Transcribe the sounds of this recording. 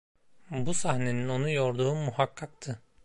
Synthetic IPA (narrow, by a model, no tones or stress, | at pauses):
busahne̞nino̞nujo̞ɾd̪uːmuhakʰːak̚t̪ʰɯ